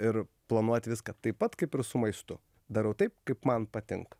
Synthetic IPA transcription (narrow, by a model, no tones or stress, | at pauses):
ɪɾplˠɐnuɔt̪ʲʋʲɪskɐt̪ɐɪpɐt̪kɐɪpɪɾsʊmɐɪst̪ʊ | d̪ɐɾɛʊt̪ɐɪpkɐɪpmɐnpɐt̪ʲɪ̰ŋk